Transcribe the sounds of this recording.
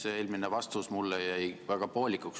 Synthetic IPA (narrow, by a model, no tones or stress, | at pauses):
seeːlminevɑst̪usmulːejɑejvæɡ̥ɑpo̞ːlʲikuks